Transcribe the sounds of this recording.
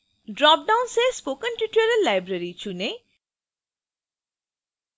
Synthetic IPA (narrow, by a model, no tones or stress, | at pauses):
ɖɾɔp̚ɖawnsespokənʈiʈəɾəlajbɾəɾit͡ʃʰune